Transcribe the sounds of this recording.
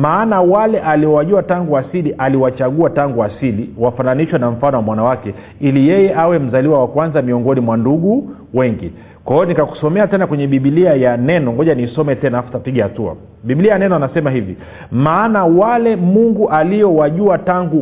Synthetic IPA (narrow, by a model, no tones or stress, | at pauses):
maːnawalɛʔaliɔwaʄuataŋɡuasiliʔaliwat͡ʃaɠuataŋɡuasiliwafananiʃwanam̩fanɔwamwanawakɛ | ilijɛjɛʔawɛm̩zaliwawakwanzamiɔŋɡɔnimwanduɠu | wɛŋɡḭ | kwaɔnikaku̥sɔmɛatɛnakwɛɲɛɓiɓiliajanɛnɔŋɡɔʄanisɔmɛtɛnaafutapiɠɛhatua̰ | ɓibiliajanɛnɔanasɛmaɦivḭ | maːnawalɛmuŋɡuʔaliɔwaʄuataŋɡu